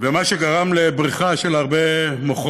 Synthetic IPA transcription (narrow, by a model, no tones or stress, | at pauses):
vemaʃeɡaʁamlebʁiχaʃelaʁbemoχ